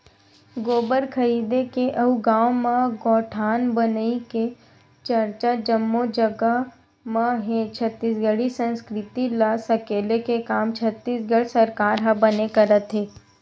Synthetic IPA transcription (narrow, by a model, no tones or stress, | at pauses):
ɡoːbəɾkʰəɾiːd̪ekeʔɐɦuɡaːwmãɡɔːʈʰaːnbənike | t͡ʃɐɾt͡ʃad͡ʒəmːod͡ʒəɡə | mãɦẽt͡ʃʰɐt̪ːiːsɡəɽisə̃nskɾɪt̪ilasɐkeːlekekaːmt͡ʃʰɐt̪ːiːsɡəɽsɐɾkaːɾɦɐbɐnekɐɾət̪ɦeː